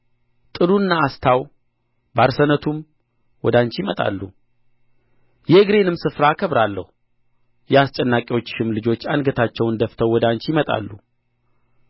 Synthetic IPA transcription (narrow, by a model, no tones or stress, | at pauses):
t̪ʼɨlunːaːst̪ʰaw | baɾsənət̪ʰum | wɔd̪aɲt͡ʃjimət̪ʼa̰lːṵ | jɛɡɾe̞nɨmsɨfɾaːkʰəβɾalːəhu | jɛast͡ʃʼɛnːakʼiwo̞t͡ʃːɪ̥ʃɪmlɨd͡ʒo̞t͡ʃːanɡət̪ʰat͡ʃːɛwnd̪əft̪ʰəwːɔd̪aɲt͡ʃjɪmət̪ʼa̰lːu